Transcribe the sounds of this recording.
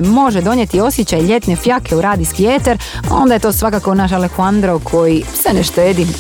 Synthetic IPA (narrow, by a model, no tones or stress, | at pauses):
mo̞ʒed̪o̞nje̞t̪io̞sjet͡ɕajʎe̞t̪ne̞fjakʰeuɾaːd̪iskiet̪eɾo̞̰nd̪aje̞t̪o̞ːsʋakakounaʃalexuand̪ɾokʰo̞jiseneʃt̪eːd̪i